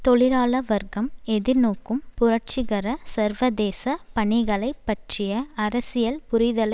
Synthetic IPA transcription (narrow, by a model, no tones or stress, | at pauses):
t̪ɔɭɪɾaːlɐʋɐɾɣɐmɛðɪɾnoːkːɯmpʊrɐt͡ʃɪɣɐɾɐsɐɾʋɐðeːsɐpɐɳɪɣɐɭɐɪpːɐʈrɪjɐɐɾɐsɪjɐlpʊɾɪðɐlɐ